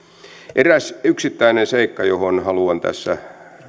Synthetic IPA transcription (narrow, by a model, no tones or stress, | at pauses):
ʔeræsyksit̪ːæinenseikːɑjohonhɑluɑnt̪æ̰sːæ